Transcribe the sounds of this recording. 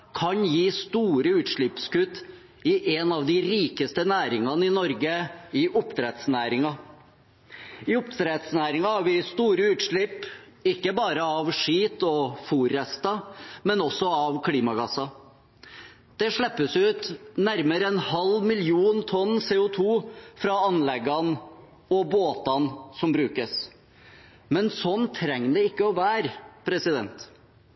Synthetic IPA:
kʰɑɲjiːst̪uːɾəʉːt̪ʂɭɪpskʉt̪ː | ɪʔɛnɑʋd̪ɪɾiːkəst̪ənæːɾɪŋɑnəɪnɔɾɡəɪʔʊpt̪ʰɾɛt̪snæːɾɪŋɑ | ɪʊpt̪ʰɾɛt̪snæːɾɪŋɑhɑɾʋɪst̪uːɾəʉːt̪ʂɭɪp | ɪkːəbɑːɾəɑʋʂiːt̪ɔfuːɾɛst̪ɑmɛnɔsːɔɑʋkʰliːmɑɡɑsɑ | d̪̥ɛʂɭɛpːəsʉːt̪næɾməɾəɛnhɑlmɪljuːnt̪ʰɔnːseːʊt̪ʰuːfɾɑɑnlɛɡɑn | ɔboːt̪ɑnsɔmbɾʉːkəs | mɛnsɔnt̪ʰɾɛŋːd̪ɛɪkːəɔʋæːɾpʰɾɛsɪd̪ɛnt̪

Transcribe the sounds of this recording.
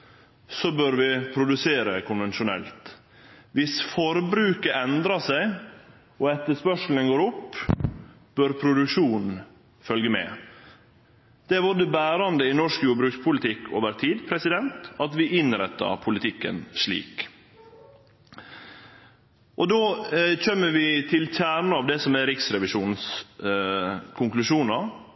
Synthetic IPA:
sɔbøɾʋɪpʰɾʊd̪ʉseːɾəkʰʊnʋɛnʃʊnɛ̰lt̪ | ʋɪsfɔɾbɾʉːkəʔɛnd̪ɾɑsæɪ | ɔɛt̪ːəʂpœʂl̩ənɡoːɾʊpː | b̥øɾpʰɾʊd̪ʉkʂuːnn̩ | fœlɡəmɛ̰ | d̪̥ɛʋɔd̪əbæːɾɑnd̪əɪnɔʂkjuːbɾʉːkspʰʊlɪt̪ʰɪkːo̰ːʋəɾt̪ʰiːd̪pʰɾɛsɪd̪ɛnt̪ɑt̪ʋɪʔɪnɾɛt̪ːɑ̰pʰʊlɪt̪ʰɪkːə̰nʂɭḭːk | ʔɔd̪oːçœmːəʋɪt̪ʰɪlçæːɾɳəɑʋd̪ɛsɔmɛɾɪksɾɛʋɪʃuːns | kʰʊŋklʉʂuːnɑɾ

